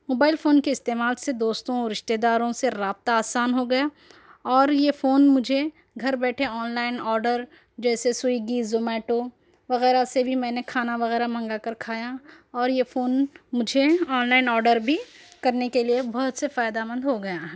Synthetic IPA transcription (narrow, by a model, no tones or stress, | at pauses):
moːbaːɪlfoːnkeɪst̪eːmaːlsed̪oːst̪õɔɾɪʃt̪ed̪aːɾõseɾaːb̚t̪aaːsaːnɦoɡɐja | ɔːɾjefoːnmʊd͡ʒʱe | ɡʱɐɾbɛːʈʰeɔːnlaːɪnɔːɾɖəɾ | d͡ʒɛːsesʊiɡiːzomɛːʈo | ʋɐɣɛːɾasebʱimɛ̃ːnekʰaːnaʋɐɣɛːɾamɐ̃ŋɡakɐɾkʰaːja | ɔːɾjefoːnmʊd͡ʒʱeɔːnlaːɪnɔːɾɖəɾbʱikɐɾnekeliebɔɦʊt̪sefaːɪd̪amə̃nd̪ɦoɡɐjaːɦɛ